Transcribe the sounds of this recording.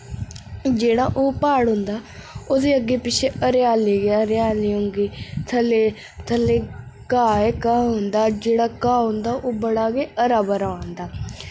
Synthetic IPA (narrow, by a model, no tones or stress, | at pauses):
d͡ʒeːɽaːʔoːpaːɽɦʊ̃nd̪aːod̪eːəɡːeːpɪt͡ʃʰeːəɾɪjaːleːɡaːɾaːleːɦʊŋɡiːt̪ʰəleː | t̪ʰəlːeː | kaːeːkaːɦʊnd̪aːd͡ʒeːɽaːkaːɦʊ̃nd̪aːʔoːbəɽaːɡeːəɾaːbəɾaːãːnd̪aː